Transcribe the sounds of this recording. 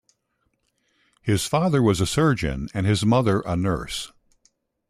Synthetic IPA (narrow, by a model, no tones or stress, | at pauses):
hɪz̥fɑðə˞wʌzɨsɜ˞d͡ʒɨ̰̃nɨ̃nɨzmʌðə˞ʔənɜ̰˞s